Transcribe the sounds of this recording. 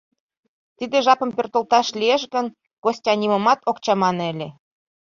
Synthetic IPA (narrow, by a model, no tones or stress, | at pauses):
t̪id̪ĕʒɑpə̆mpʲørt̪olt̪ɑʃlieʃ̬ɣən | ɡ̥osʲtʲɑnʲiməmɑt̪okt͡ɕɑmɑnelʲe